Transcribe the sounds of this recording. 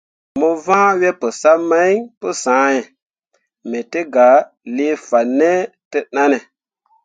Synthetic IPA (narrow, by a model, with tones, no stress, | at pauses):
mo˦vãː˦wɛ˦pə˨sa˦ma˦jpə˦sãː˨˦jɛ˨ | me˨te˦ɡa˨ | le˦fa˨nːe˦te˦na˦ne˨